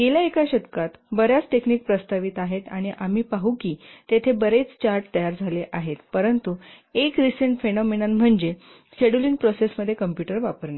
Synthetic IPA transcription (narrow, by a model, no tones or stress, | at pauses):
ɡeljaekaɕət̪kat̪bəɾjat͡sʈekniːk̚pɾəst̪aʋit̪aɦet̪aɽ̃iʔamiːpaɦukiːt̪et̪ʰebəɾet͡st͡ɕaɾʈt̪əjaɾd͡zʱaleʔaɦet̪pəɾənt̪u | ekɾisəɳʈfenɔminamm̤əɳd͡ʑe | ɕeɽuliŋɡpɾosesməd̪ʱːjekəmpjuʈəɾʋapəɾna